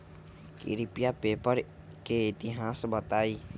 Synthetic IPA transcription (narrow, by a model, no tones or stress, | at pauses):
kɪ̰ɾɪpijapeːpəɾ | keɪt̪ɪɦaːsbət̪aːiː